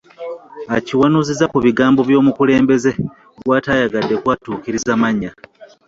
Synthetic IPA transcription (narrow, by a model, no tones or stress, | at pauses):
aciwanuzizakuβiɡaːmbo̞βjo̞ːmukule̞ːmbe̞ze̞ | ɡwaːtaːjaɡadːe̞kwaːtuːkiɾizamaɲːa